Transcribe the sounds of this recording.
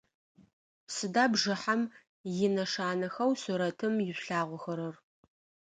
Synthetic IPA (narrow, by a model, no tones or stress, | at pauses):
sɨdaːbʐɨħam | jɪnɐʂaːnɐxɐwsuɾɐtʰɨmjɪɕɬaːʁʷʊxɐɾɐr